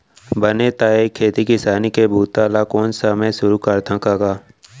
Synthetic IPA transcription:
bənet̪aːekʰːeːt̪ikɪsaːnikebʱuːt̪aːlakoːnsəmesʊɾukɐɾt̪ʰãkakaː

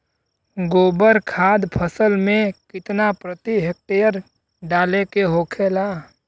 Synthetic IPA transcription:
ɡoːbəɾkʰaːd̪pʰəsəlmẽkɪt̪napɾət̪iɦək̚t̪ejəɾ | ɖaːlekeɦoːkʰelaː

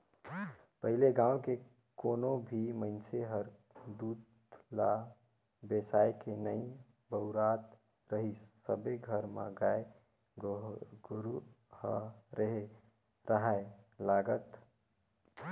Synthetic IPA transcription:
pəɦileɡãːwke | konobʱimənt͡ʃeɦəɾ | d̪uːt̪ | la | besaekenəĩ | bəʊɾat̪ | ɾəɦissəbeɡʱəɾma̰ɡae | ɾu | həɾeɦe | ɾəɦalaɡət̪

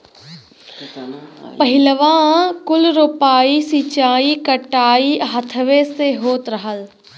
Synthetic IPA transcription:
pɐɦɪləʋãkʊlɾopaːisiːt͡ɕaːikɐʈaːiɦɐt̪ʰəʋeseɦoːt̪ɾɐɦəl

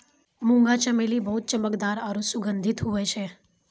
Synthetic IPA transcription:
mũŋɡat͡ʃəmelibəɦut̪̚t͡ʃəməkd̪aɾaɾusuɡənd̪ʱit̪ɦojt͡ʃʰe

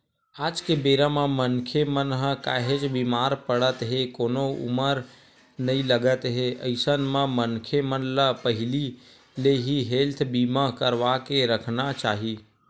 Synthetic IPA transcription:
aːd͡ʒkebeːɾamãmənkʰemənɦəka̰ːɦet͡ʃbiːmaːɾpəɽət̪ɦekoːnoʊ̰məɾ | nəĩləɡət̪ɦeʔəɪsənmãmənkʰemənləpəɦɪli | leɦiɦeːlt̪ʰbiːmakəɾʋakeɾəkʰnat͡ʃaːɦiː

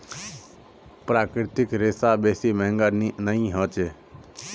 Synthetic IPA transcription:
pɾaːkɾɪt̪ɪkɾeːsaːbeːsiːməɦŋɡannəĩːɦõːt͡ʃeː

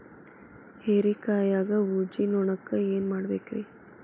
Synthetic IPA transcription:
heːɾikaːjaːɡɐud͡ʒinɔɳɐkːɐeːnmaːɽbeːkɾi

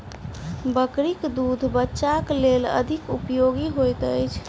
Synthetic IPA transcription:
bəkɾikd̪ud̪ʱbətːʃaklelə̰d̪ʱikupjoɡiɦojt̪əjt͡ʃʰ

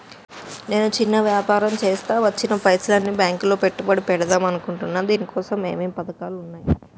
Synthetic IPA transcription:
ne̞ːnut͡ʃinːɐʋjaːpaːɾɐmt͡ʃeːst̪aːʋɐt͡ʃːinɐpɐjslɐnːibjaːŋklo̞ːpeʈːubɐɽipɛɽɐd̪aːmɐnukuɳʈunːaːnd̪iːnikɔːsɐmḛːmeːmpɐd̪ɐkaːlunːaːji

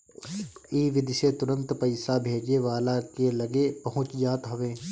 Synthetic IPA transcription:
iːʋɪd̪ʱset̪ʊɾə̃nt̪pɐɪsabʱeːd͡ʒeʋaːlakelɐɡepɐɦʊ̃t͡ʃd͡ʒaːt̪ɦɐʋeː

